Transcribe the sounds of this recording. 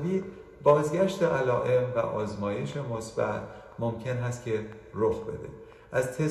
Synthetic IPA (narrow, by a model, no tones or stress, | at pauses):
viːd̪ | bɒːzɟæʃt̪eʔælɒːʔe̞mvæ̰ʔɒ̰ːzmɒːje̞ʃe̞mosb̥æ̰t̪ʰ | mo̞mcʰenɦæst̪̚cʲʰe̞ | ɾoxbe̞̰d̪e̞̰ | ʔæzt̪ʰe